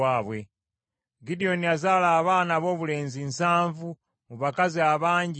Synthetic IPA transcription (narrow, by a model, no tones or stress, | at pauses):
aːβwe | ɡidio̞niazalaːβaːnaβo̞ːβule̞ːnzinsaːɱvu | muβakaziaβaːɲɟi